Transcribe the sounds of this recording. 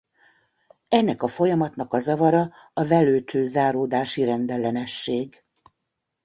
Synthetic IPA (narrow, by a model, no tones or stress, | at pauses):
ɛnːɛkɒfo̞jɒmɒt̪nɒkɒzɒvɒɾɒː | vɛløːt͡ʃøːzaːɾoːd̪aːʃiɾɛnd̪ɛlːɛnɛʃːeːɡ